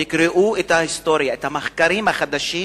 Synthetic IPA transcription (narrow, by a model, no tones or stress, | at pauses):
ikɾeʔuet̪hahist̪o̞ɾjaet̪hamaχkaɾimhaχad̪aʃi